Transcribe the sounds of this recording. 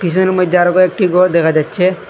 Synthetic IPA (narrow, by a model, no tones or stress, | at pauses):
pʰis̬ɔnmɔd̪ʱaɾɔkoek̚ʈiɡɔd̪ɛkʰad͡ʑatːʃʰe